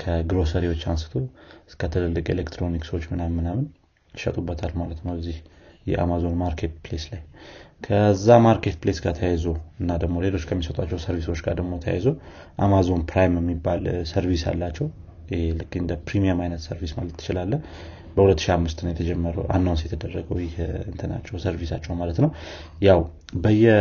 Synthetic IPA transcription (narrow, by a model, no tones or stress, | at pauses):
kʰəɡɾo̞səɾewot͡ʃːansɨ̥t̪ʰo̞ɨskʰət̪ʰɨlɨlːɨkʼḛlekt̪ʰɾo̞niksəwot͡ʃːmɨnamːɨnamɨn | ʃə̰t̪ʼubːət̪ʰalmalət̪nəwəzːihjɛʔa̰mazo̞nmaɾkʰe̞t̪ple̞slajkʰəzːamaɾkʰe̞t̪̚plesɡat̪ʰəjajzoɨnːad̪əɡmo̞le̞lo̞t͡ʃːkʰəmːisət̪ʼat͡ʃːɛwsəɾviso̞t͡ʃːɡa̰ɾd̪əɡmo̞t̪ʰəja̰jzo | ʔamazo̞npɾajmjɛmːibːalsəɾvisja̰lːat͡ʃːɛw | ɪhelɨkʼːiɨnd̪əpɾimijəmajnət̪səɾvismalət̪ːɨ̥t͡ʃɪlalːə | bəhulət̪ːɨ̥ʃiamːɨst̪ʰɨnjɛt̪ʰəd͡ʒɛmːəɾəwʔa̰nːawnsjɛt̪ʰəd̪ərːəɡəwjɪhɨnt̪ʰəna̰t͡ʃːɛwsəɾvisat͡ʃːɛwmalət̪nəwjaw | bəjːɛ